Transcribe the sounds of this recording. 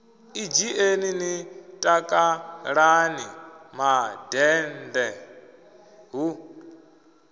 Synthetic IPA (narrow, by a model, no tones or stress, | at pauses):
id͡ʒiʔeninitʼakʼaɺanimadɛndɛ | ɦu